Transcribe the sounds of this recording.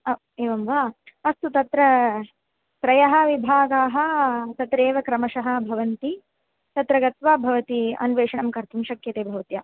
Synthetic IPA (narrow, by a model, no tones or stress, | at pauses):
ɐ | eːʋɐmʋaːɐst̪ut̪ɐt̪ɾɐ | sɾɐjɐɦɐ̆ʋibʱaːɡaːɦɐt̪ɐt̪ɾeːʋɐkɾɐmɐʃɐɦɐ̆bʱɐʋɐnt̪i | t̪ɐt̪ɾɐɡɐt̪ʋaːbʱɐʋɐt̪iɐ̰nʋeːʂɐɳɐmkɐɾt̪ʰumʃɐkjɐt̪eːbʱɐʋɐt̪jaː